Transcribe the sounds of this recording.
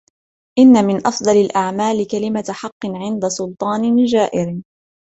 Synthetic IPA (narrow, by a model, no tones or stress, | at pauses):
ʔɪnːamɪnʔɑfd̪ˤɑlɪlʔaʕmaːlkalɪmaħɑqːɨnʕɪnd̪asʊlt̪ˤɑːnɪd͡ʒaːʔɪɾ